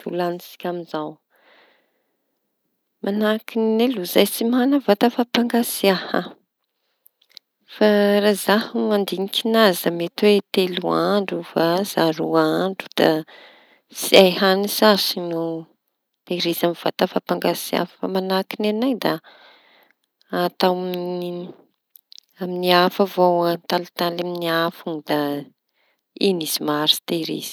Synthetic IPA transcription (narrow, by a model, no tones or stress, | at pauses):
t̪ulanisi̥kʲamizaw | mʔanakinineluzajsimanəvat̪əfapaŋɡasiahə | farazahumand̪iŋikʰʲinazəmet̪wet̪eluaɳɖ͡ʐufaz̥aɾuaɳɖ͡ʐu̥d̪̥a | siajɦanisasino | t̪eɾezamiv̥at̪afapaŋɡasia̰ffa̰manakinanajd̪a | at̪awmi | aminiafavowant̪alit̪alaminiafund̪̥a | enizimaɾi̥t̪eɾḛz̥i̥